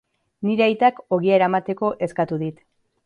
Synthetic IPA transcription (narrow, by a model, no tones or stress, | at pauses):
niɾeajt̪ako̞ɣieɾamat̪e̞ko̞ʔe̞skat̪uðit̪